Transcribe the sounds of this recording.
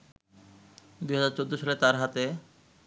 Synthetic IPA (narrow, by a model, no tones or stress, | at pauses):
d̪ujɦad͡ʑaɾt͡ɕod̪ːoʃɔlet̪aɾɦat̪e